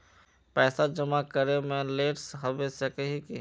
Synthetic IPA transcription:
pɛːsad͡ʒəmakəɾemẽleːʈsɦɐbesakəɦiki

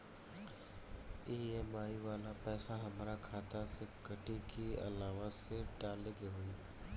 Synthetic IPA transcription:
iːeːmaːiʋaːlapɛːsaɦɐmɾakʰaːt̪asekɐʈikiɐ̰laːʋaseɖaːleɡeɦoːiː

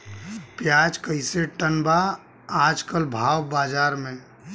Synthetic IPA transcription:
pjaːd͡ʒkəɪseʈənbaː | d͡ʒkəlbʱaːwbaːd͡ʒaːɾmẽ

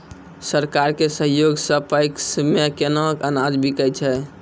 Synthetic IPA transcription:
səɾkaɾkesəɦjoɡsəpəjksmekenɔkənad͡ʒbʱikəjt͡ʃʰɛ

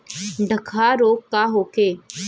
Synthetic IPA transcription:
ɖʱɐkʰaɾoːkkaɦoːkeː

